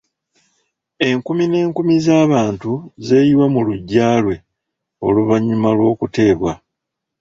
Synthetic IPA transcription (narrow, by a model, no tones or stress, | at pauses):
e̞ŋkumine̞ːŋkumizaːβaːntuze̞ːjiwamuluɟːaːlwe̞ | o̞luβaɲimalwo̞ːkute̞ːβwa